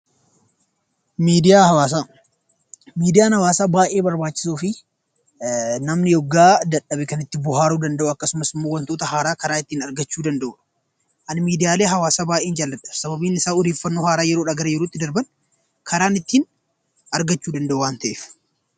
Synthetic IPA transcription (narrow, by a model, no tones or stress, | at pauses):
miːd̪ɪjaːhɐwaːsaː | miːd̪ɪjaːnhɐwaːsaːbaːʔeːbɐɾbaːt͡ʃːɪ̥suːfɪ | nɐmnɪjɔɡːaːd̪ɐᶑɐbɪkɐnɪt̪ːɪbʊɦaːɾuːd̪ɐnd̪ɐʔʊɐkːɐsʊmɐsɪmːoːwɐnt̪o̞ːt̪ɐhaːɾaːkɐɾaːɪt̪ːiːnɐɾɡɐt͡ʃːuːd̪ɐnd̪ɐʔuːᶑɐ̥ | ʔɐnmiːd̪ɪjaːleːɦɐwaːsaːbaːʔeːnd͡ʒaːlːɐt̪ːɐ̥fsɐbɐbiːnɪsaːʊd̪eːfːɐnːoːhaːɾaːjɛɾoːᶑɐɡɐɾɐjɛɾoːɪt̪ːɪd̪ɐɾbɐn | kʰɐɾaːnɪt̪ːiːn | ʔɐɾɡɐt͡ʃːuːd̪ɐnd̪ɐʔuwaːnt̪ɐʔeːf